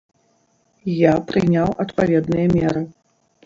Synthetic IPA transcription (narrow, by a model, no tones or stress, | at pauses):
japɾɨnʲawʔɐt̪pavʲɛd̪nɨjɐmʲɛɾɨ